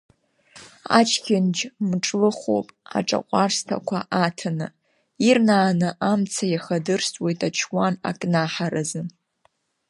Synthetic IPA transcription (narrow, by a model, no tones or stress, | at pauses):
a̰t͡ʃʰkʲʰɪnd͡ʒmʈ͡ʂʼlɨχʷo̰pʼa̰ʈ͡ʂʼa̰qʷʼarstʰa̰kʷʰa̰ʔatʰanɨ | irnaːnɨʔamt͡sʰajaχadɨrstʼwejtʼat͡ʃʰwana̰kʼnaħaɾazɨn